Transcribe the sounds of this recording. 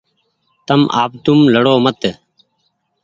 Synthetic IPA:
t̪əmʔa̰ːp̚t̪umləɽoːmət̪

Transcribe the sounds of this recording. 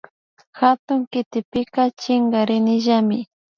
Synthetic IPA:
xat̪ʊŋkɪt̪ɪpɪkat͡ʃɪŋɡaɾɪnɪʒamɪ

